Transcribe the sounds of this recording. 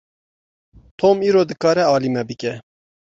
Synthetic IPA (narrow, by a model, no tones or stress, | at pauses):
t̪ʰoːmiːɾoːd̪ɨkɑːɾɛɑːlimɛbɨkʲɛ